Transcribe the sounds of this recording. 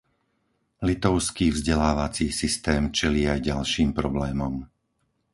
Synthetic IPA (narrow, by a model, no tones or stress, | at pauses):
lit̪ɔʊskiːvzɟɛlaːʋat͡siːsist̪ɛːmt͡ʃɛliːajɟalʃiːmpɾɔblɛːmɔm